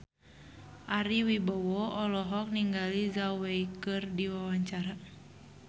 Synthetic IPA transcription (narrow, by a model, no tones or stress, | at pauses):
ʔaɾiwibawɔɔlɔɦɔk̚niŋɡalizawejkɨrdiwawaɲt͡ʃaɾa